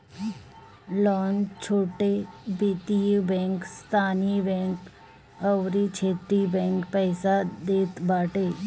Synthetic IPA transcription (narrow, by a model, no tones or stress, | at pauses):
lɔːnt͡ʃʰoːʈebit̪ibɛ̃ːŋkst̪ʰaːnibɛ̃ːŋk | əwɾit͡ʃʰeːt̪ɾibɛ̃ːŋkpɛːsad̪eːt̪baːʈeː